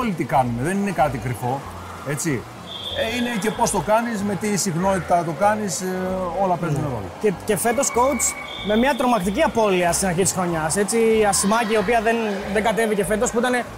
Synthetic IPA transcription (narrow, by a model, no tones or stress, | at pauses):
olit̪ikɐnume̞ðe̞nine̞kɐt̪ikɾifo̞ | e̞t͡si | eine̞ce̞po̞st̪o̞kɐnisme̞t̪isixno̞nt̪it̪ɐt̪o̞kɐniso̞lɐpe̞zuneðo̰ | ece̞fe̞t̪o̞skout͡s | me̞mɲɐt̪ɾo̞mɐk̚t̪iciɐpo̞liɐst̪inɐɾçit̪isɾo̞ɲɐse̞t͡siɐsimɐciːo̞piɐðenðeŋɡɐt̪e̞vice̞fe̞t̪o̞spuit̪ɐne̞